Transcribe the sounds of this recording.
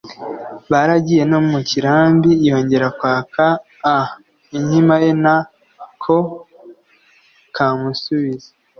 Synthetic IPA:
βaɾaɟije̞nomuciɾaːmbijo̞ːɲɟe̞ɾakwaːkaː | iɲhimaje̞na | kʰo | kʰaːmusuβize̥

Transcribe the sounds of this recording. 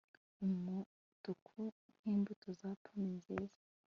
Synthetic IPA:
umu | tukʰu | n̥hiːmbutuzapʰaninzeːzḁ

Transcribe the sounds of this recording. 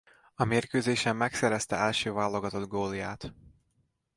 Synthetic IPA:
ɒmeːrkøːzeːʃɛmːɛksɛɾɛst̪ɛɛlʃøːvaːlːo̞ɡɒt̪o̞d̪ɡoːlijaːt̪

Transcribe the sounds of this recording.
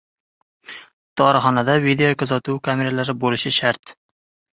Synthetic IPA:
d̪ɒɾɪχɒnad̪avid̪eokʰazɒt̪uwkʰame̞ɾalaɾɪbolɪʃɪʃaɾt̪

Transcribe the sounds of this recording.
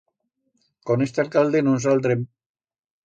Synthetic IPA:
konest̪ealkald̪enuns̬alt̪̬ɾem

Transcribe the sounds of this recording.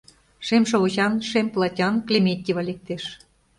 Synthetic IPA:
ʃemʃ̬ouʑɑnʃemʲplˠɑtʲɑnklʲemʲet̪ʲːivɑlʲek̚t̪eʃ

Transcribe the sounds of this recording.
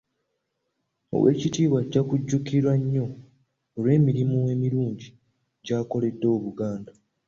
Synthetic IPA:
o̰we̞̰ːcitiːβwaɟakuɟːukiɾwaɲːo̞ː | lwe̞ːmiɾimuwe̞miɾuːɲɟi | ɟaːko̞le̞dːo̞ːβuɡaːnda

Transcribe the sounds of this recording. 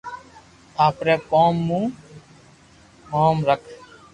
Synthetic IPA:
aːpɾeːkoːmːũː | moːmɾəkʰ

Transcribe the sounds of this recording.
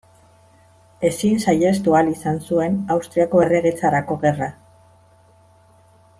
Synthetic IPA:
e̞sinsaje̞st̪ualisansue̞nawst̪ɾiako̞e̞re̞ɣet͡saɾako̞ɣe̞ra

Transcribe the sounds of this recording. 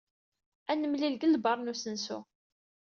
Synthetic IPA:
ænəmlilɡəlbɑɾˤnusənsṵ

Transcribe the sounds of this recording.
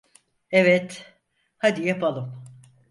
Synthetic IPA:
evɛt̪ | had̪ijapʰalˠɯm

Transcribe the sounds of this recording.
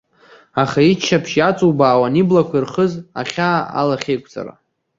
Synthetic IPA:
aχait͡ʃʰːapʰʃjat͡sʼuwbaːwaniblakʷʰirχəza̰χʲaːa̰laχʲejkʷʼt͡sʼa̰ra̰

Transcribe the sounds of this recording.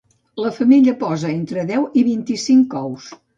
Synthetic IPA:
ləfəmiʎəpɔzəent̪ɾəðɛwiβint̪isiŋkɔws

